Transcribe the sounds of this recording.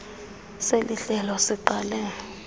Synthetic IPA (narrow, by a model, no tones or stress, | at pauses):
seliɬɛlɔsiǃalɛ